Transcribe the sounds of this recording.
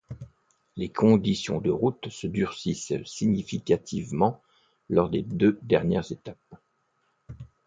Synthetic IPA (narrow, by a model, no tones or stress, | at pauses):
lekʰɔ̃d̪isjɔ̰̃d̪əʁut̪səd̪yʁsissiɲifikʲat̪ʰivmɑ̃ | lɔʁd̪ed̪ød̪ɛʁnjɛʁzet̪ap̚